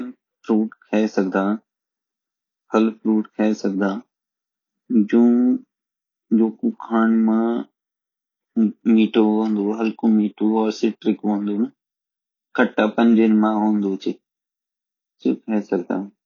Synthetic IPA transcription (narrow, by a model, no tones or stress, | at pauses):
l | pʰɾuːʈkʰɐesɐɡʱd̪ãː | pʰɐlpʰɾuːʈkʰɐesɐɡʱd̪ãː | d͡ʑũː | d͡ʒoːkukʰaːnmã | miːʈʰoõːnd̪oɦɐlkomiːʈʰoɔːɾsɪʈɾɪkɦõːnd̪oːnə | kʰɐʈːapə̃ɲd͡ʒenmãːɦoːnd̪oːt͡ʃʰɪ | t͡ʃɪkʰɐesɐɡʱd̪ã̰ː